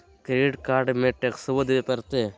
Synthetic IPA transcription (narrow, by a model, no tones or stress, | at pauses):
kɾeːɖkaːɾɖmeʈːeksəʋəd̪ʋepɐɾt̪eː